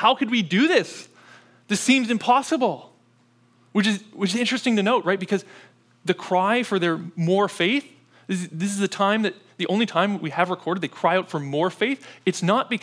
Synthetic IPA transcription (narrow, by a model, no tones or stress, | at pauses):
haʊkɨd̚widɨðɪs | ðɨssĩmzɨ̃mpʰɑsəbl̩ˠ | wɨt͡ʃɨzwɨt͡ʃɨzɪ̃nt͡ʃɹ̥ɨstɪ̃ŋtʰɨnoʊt̚ɹaɪt̚b̥ɨkʰʌz | ðɨkʰɹ̥aɪfə˞ðə˞mɔɹfeɪθ | ðɪsðɪs̬ɨzɨtʰãɪ̃mðɨt̪̚ðiʔõʊ̃nlitʰãɪ̃mʔwiɨvɹɨkʰɔɹɾɨd̪̚ðeɪkʰɹ̥aɪaʊtfə˞mɔɹfeɪθɨtsnət̚b̥ɨk